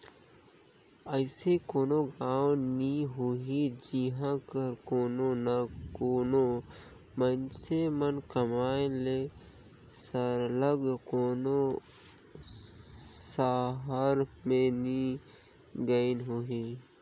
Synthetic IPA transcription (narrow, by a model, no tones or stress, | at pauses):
əɪsekoːnoɡaːwniɦoɦid͡ʒiɦãkəɾkoːnonakoːno | mənsemənkəmaːele | səɾləɡkoːno | saɦaɾmẽni | ɡəinɦoːɦiː